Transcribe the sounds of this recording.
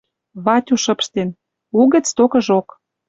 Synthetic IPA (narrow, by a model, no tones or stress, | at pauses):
βɑtʲuʃɤ̆pʃt̪en | uɣə̆t͡st̪okɤ̆ʒok